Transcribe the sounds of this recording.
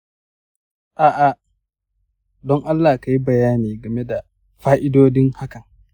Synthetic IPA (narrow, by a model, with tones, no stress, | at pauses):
ʔaː˨ʔa˦ | dɔ˦ŋʔa˦lːa˨ka˨ji˦bɐ˨jaː˦niː˨ɡɐ˨me˦da˨ | ɸaː˦ʔɪ˦doː˦dɪ˦nha˦kɐ˨n